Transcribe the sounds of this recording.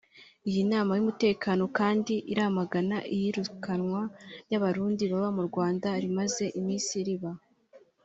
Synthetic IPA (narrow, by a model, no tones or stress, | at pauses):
ijinaːmajumute̞ːkʰaːno̞kaːndiʔiɾamaɡanaʔijiɾukʰanŋwajaβaɾuːndiβaβamuɾɡwaːndaɾimaze̞ʔimiːnsiɾiβa